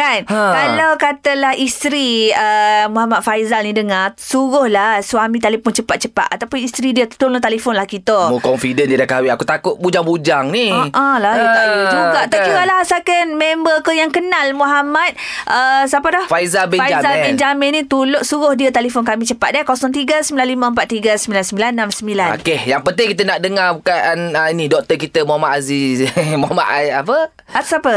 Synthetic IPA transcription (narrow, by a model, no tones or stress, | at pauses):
kankalawkat̪əlahist̪ɾiəmuɦamat̪̚fajzalnidəŋasuɣʊhlahswamĩt̪alepʊnt͡ʃəpat̪̚t͡ʃəpa̰t̪̚at̪awpʊnist̪ɾidiət̪ul̚t̪alifʊnlahkit̪əmukɔnfidəndiədakawiakut̪akʊʔ̚bud͡ʒaŋbud͡ʒaŋniʔɔ̃lahuɡauɡaʔt̪akiɾalaɦsakanmembəkəjaŋkənalmuɦamat̪̚ | ʔəsapədɔhfaizabɛfajd͡ʒazabɛnd͡ʒamɛnːĩt̪ulʊʔ̪̚suɣʊhdiət̪elifonkamĩt͡ʃəpat̪̚dakɔsɔŋt̪̬iɡəsəmbilanliməəmpat̪̚ːiɡəsəmbilansəmbilanːamsəmbilana̰kehjaŋpət̪ɪŋkit̪ənaʔdəŋabukaanəinidɔk̚t̪əkit̪əmuamaʔazimuama̰ʔapə | asapə